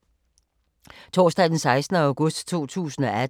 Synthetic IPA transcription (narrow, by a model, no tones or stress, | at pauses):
t͡sʰo̰ːsd̥ɛɪd̥ensɑ̈ɪsd̥n̩əɑ̈ʊɡ̥ɔ̽sd̥t͡sʰo̝̰ːt͡sʰṵːsn̩ɒ̽ʔæ